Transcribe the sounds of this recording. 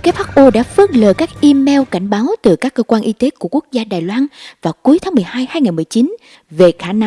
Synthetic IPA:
ka˦˥t̚haː˦˥k̚ʔo˧ɗa̰ː˧˥fɨ˦˥ək̚ləː˨˩jkaː˦˥k̚ʔi˧mɛ˧wka˧˩jŋ̟ɓaː˨˦wt̪ɨ˨˩kaː˦˥kːəː˧kwaː˧nʔi˧t̪e˨˦ku˧˩əku˦˥ək̚zaː˧ɗaː˨˩jlwaː˧nvaː˨˩wku˨˦jt̪ʰa˨˦ŋmɨ˨˩əjhaː˧jhaː˧jŋaː˨˩mɨ˨˩əjt͡ɕi˨˦n | ve˨˩xaː˧˩n˧

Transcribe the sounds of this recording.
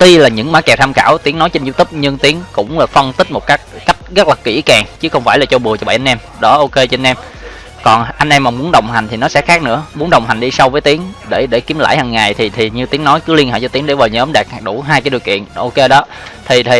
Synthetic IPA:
t̪i˧laː˨˩ɲɨ̰˧˥ŋmaː˨˦kɛ˨˩t̪ʰaː˧xa̰ː˧˩wt̪i˨˦əŋnɔ˨˦jt͡ɕe˧nzu˧t̪ɨ˦˥p̚ɲɨ˧ŋt̪i˨˦əŋkʊ̰˧˥ŋ͡mlaː˨˩fə˧nt̪ï̟˦˥mo˨˩t̚kaː˦˥k̚ka˦˥jk̟̚ɣə˦˥t̚laː˨˩kḭ˧˩˥kaː˨˩ŋt͡ɕɨ˨˦xə˧wŋ͡mfaː˧˩jlaː˨˩t͡ɕo˧ɓɨ˨˩ət͡ɕɔ˧ɓa˧˨ʔa˧nʔɛ˧m | ɗɔ˨˦ʔo˧ke˧t͡ɕe˧nʔɛ˧m | kɔ˨˩nʔa˧ŋ̟ʔɛ˧mːaː˨˩mu˨˦ənɗə˨˩wŋ͡mɦa˨˩ŋt̪ʰi˨˩nɔ˨˦sɛ̰˧˥xaː˦˥k̚nɨ̰˧˥əmu˨˦ənɗə˨˩wŋ͡mɦa˨˩ŋ̟ɗi˧sa˧wvəː˨˦jt̪i˨˦əŋɗe˧˩ɗe˧˩ki˨˦mla̰ː˧˩jhaː˨˩ŋːa˨˩jt̪ʰi˨˩t̪ʰi˨˩ɲɨ˧t̪i˨˦əŋnɔ˨˦jkɨ˨˦li˧ənhḛ˧˩jt͡ɕɔ˧t̪i˨˦ŋɗe˧˩vaː˨˩wɲəː˨˦mɗɛ˨˩k̚ɗu˧˩ɦaː˧jkaː˨˦ɗəwkḭ˧˨ənʔo˧ke˧ɗɔ˨˦ | t̪ʰi˨˩t̪ʰi˨˩

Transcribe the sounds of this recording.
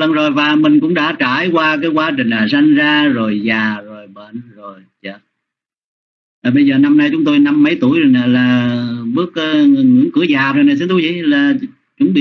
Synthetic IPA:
lə˧˨˩nzo˨˩jvaː˨˩mi˨˩ŋ̟kʊ̰˧˥ŋ͡mɗa̰ː˧˥t͡ɕaː˧˩jkwaː˧kaː˨˦jkwaː˧t͡ɕï˨˩ŋ̟laː˨˩sa˧jŋzaː˧zo˨˩jzaː˨˩zo˨˩jɓə̰˧˨nzo˨˩jt͡ɕə˧˨˩ | aː˨˩ɓə˧jzəː˨˩na˧mna˧jt͡ɕʊ˨˦ŋ͡mt̪o˧jna˧mːə˨˦jt̪u˧˩əjzo˨˩naː˨˩laː˨˩ɓɨ˦˥ək̚ːə˨˦ŋɨ˨˩jŋḭ˧˥əŋkɨ˧˥əzaː˨˩o˨˩jnaː˨˩s̬nt̪u˨˦zḭ˧˨laː˨˩ | t͡ɕʊ˨˥ŋ͡mɗi˧˨

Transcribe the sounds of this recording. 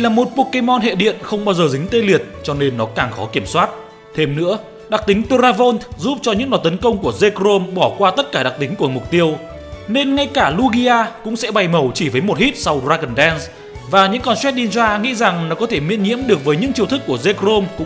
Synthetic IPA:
laː˨˩mo˨˩t̚po˨˧ke˧mɔ˧nɦḛ˧˨ɗḭ˧˨ənxə˧wŋ͡mɓaː˧wzəː˨˩zï˨˦ŋ̟t̪e˧li˨˩ət̚t͡ɕɔ˧ne˧nːɔ˨˦kaː˨˩ŋxɔ˨˦ki˧˩əmswaː˦˥t̚ | t̪ʰe˧mnɨ̰˧˥ə | ɗa˨˩k̚t̪ï˨˦ŋt̪o˧zaː˧vo˧nt̪zu˦˥p̚t͡ɕɔ˧ɲɨ̰˧˥ŋɗɔ˨˩t̪ə˨˦nkə˧wŋ͡mku˧˩əze˧kɾo˧mɓɔ˧˩kwaː˧t̪ə˦˥t̚kaː˧˩ɗa˨˩k̚t̪ï˨˦ŋ̟ku˧˩əmʊ˨˩k͡p̚t̪i˧əw | ne˧nŋa˧jkaː˧˩lu˧ɣi˧ʔaː˧kʊ̰˧˥ŋ͡msɛ̰˧˥ɓa˨˩jmə˨˩wt͡ɕi˧˩vəː˨˦jmo˨˩t̚hi˦˥t̚sa˧wzaː˧ɣə˨˩nɗɛ˧nz | vaː˨˩ɲɨ̰˧˥ŋkɔ˧nswɛ˦˥t̚ɗi˧nzaː˧ŋḭ˧˥za˨˩ŋnɔ˨˦kɔ˨˦t̪ʰe˧˩mḭ˧˥ənɲḭ˧˥əmɗɨ˨˩ək̚vəː˨˦jɲɨ̰˧˥ŋkt͡ɕi˧˩əwt̪ʰɨ˦˥k̚ːu˧˩əze˧kzo˧mkʊ̰˧˥ŋ͡m

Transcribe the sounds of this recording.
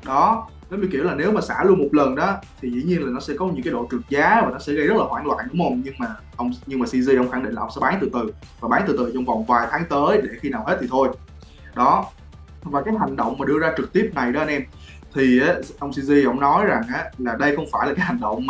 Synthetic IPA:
ɗɔ˨˦ | e˨˦mi˧˩ki˧˩əlaː˨˩ne˨˦wmaː˨˩sa̰ː˧˩lu˧ənmo˨˩t̚lə˨˩nɗɔ˨˦t̪ʰi˨˩zḭ˧˥ɲi˧ənlaː˨˩nɔ˨˦sɛ̰˧˥kɔ˨˦ɲɨ̰˧˥ŋkaː˨˦jɗo̰˧˨t͡ɕɨ˨˩ək̚zaː˨˦vaː˨˩nɔ˨˦sɛ̰˧˥ɣə˧jzə˦˥t̚laː˨˩waː˧˩nlwa̰ː˧˨nʔɨ̰˧˥˦mo˧nɲɨ˧ŋmaː˨˩ | ʔə˧wŋ͡mɲɨ˧ŋmaː˨˩si˧zi˧ʔə˧wŋ͡mxa˧˩ŋɗḭ˧˨nla˨˧wŋ͡msɛ˧˥ɓaː˨˦nt̪ɨ˨˩t̪ɨ˨˩ | vaː˨˩ɓaː˨˦nt̪ɨ˨˩t̪ɨ˨˩t͡ɕɔ˧wŋ͡mva˨˩wŋ͡mvaː˨˩jt̪ʰaː˨˦ŋt̪əː˨˦jɗe˧˩xi˧naː˨˩whe˦˥t̚t̪ʰi˨˩t̪ʰo˧j | ɗɔ˨˦ | vaː˨˩kaː˨˦jɦa˨˩jŋ̟ɗə̰˧˨wŋ͡mmaː˨˩ɗɨ˧əzaː˧t͡ɕɨ˨˩k̚t̪i˦˥əp̚na˨˩jɗɔ˨˦ə˧nʔɛ˧m | t̪ʰi˨˩aː˨˦ʔə˧wŋ͡msi˧zi˧ʔə̰˧˥wŋ͡mnɔ˨˦jza˨˩ŋʔaː˨˦laː˨˩ɗə˧jxə˧wŋ͡mfaː˧˩jla˨˩aː˨˦ha˨˩ŋ̟ɗə̰˧˨wŋ͡mm˨˩

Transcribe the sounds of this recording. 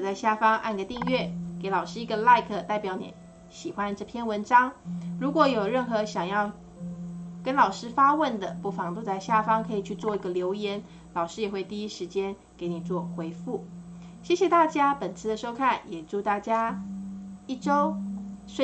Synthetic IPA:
t͡sa˥˧ɪɕja˥˩fɑ˥ŋʔa̰˥˧nɡə˧˩t̪i˥˧ŋɥɛ˥˩ke˧˥ɪlɑ˨˩ʊʂɻ̩˥i˧˥ɡə˧la˥˧ɪkʰə˩t̪a˥˩ɪpjɑ˧˥ʊnḭ˧˥ | ɕi˨˩xwa˦nʈ͡ʂɤ˥˧˩pʰjɛ˥nwə˧˥nʈ͡ʂɑ˥ŋɻu˧˥kwɔ˧˥jo˨˩ʊɻə˥˩nxɤ˧˥ɕjɑ˨˩ŋjɑ˥˩ʊ | kə˥nlɑ˨˩ʊʂɻ̩˥fa˥wə˥˩nd̪ə˩pu˥˩fɑ˧˥ŋt̪o˥˧ʊt͡sa˥˧ɪɕja˥˩fɑ˥ŋkʰɤ˧˥i˨˩t͡ɕʰy˥˧t͡swɔ˥˩i˧˥ɡə˨ljo˧˥ʊjɛ˧˥n | lɑ˨˩ʊʂɻ̩˥jɛ˨˩xwe˥˧ɪt̪i˥˧i˦˥ʂɻ̩˧˥t͡ɕjɛ˥n | ke˨˧˥ɪni˨˩t͡swɔ˥˩xwe˧˥ɪfu˥˩ | ɕjɛ˥˩ɕjɛ˨˩t̪a˥˩t͡ɕja˥pə˨˩nt͡sʰɹ̩˥˧d̪ə˨˩ʂo˥ʊkʰa˥˩njɛ˨˩ʈ͡ʂu˥˧t̪a˥˩t͡ɕja˥ | i˥˩ʈ͡ʂo˥ʊʂwe˥˧

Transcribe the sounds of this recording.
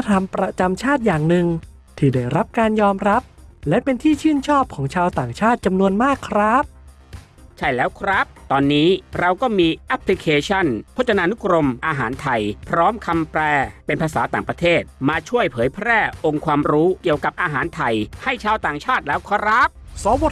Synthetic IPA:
t̪ʰa˧mpɾa˧t͡ɕa˧mt͡ɕʰaː˥˩t̪̚jaː˨˩ŋnɯ˨˧ŋ | t̪ʰiː˥˩daː˥˩jɾa˦˥p̚kaː˧njɔː˧mɾa˦˥p̚lɛ˦˥ʔpe˧nt̪ʰiː˥˩t͡ɕʰɯː˥˩nt͡ɕʰɔː˥˩p̚kʰɔː˩˦ŋt͡ɕʰaː˧wt̪aː˨˩ŋt͡ɕʰaː˥˩t̪̚t͡ɕa˧mnu˧ənmaː˥˩kʰːɾa˦˥p̚ | t͡ɕʰa˥˩jlɛː˦˥wkʰɾa˦˥p̚t̪ɔː˧nːiː˦˥ɾa˧wkɔː˥˩miː˧ʔɛ˦˥pʰli˦˥kʰeː˧t͡ɕʰa˥˩npʰo˦˥t̪̚t͡ɕʰa˧naː˧nu˦˥kɾo˧mʔaː˧ɦaː˩˦nt̪ʰa˧jpʰɾɔː˦˥mkʰa˧mpɾɛː˧pe˧npʰaː˧saː˩˦t̪aː˨˩ŋpɾa˧t̪ʰeː˥˩t̪̚maː˧t͡ɕʰu˥˩əjpʰɤː˩˦jpʰɾɛː˥˩ʔo˧ŋkʰwaː˧mɾuː˦˥ki˨˩əwka˨˩p̚ʔaː˧ɦaː˩˦nt̪ʰa˧jha˥˩jt͡ɕʰaː˧wt̪aː˨˩ŋt͡ɕʰaː˥˩t̪̚lɛː˦˥wkʰɔ˦˥ɾa˦˥p̚sɔː˨˩˦wo˨˩

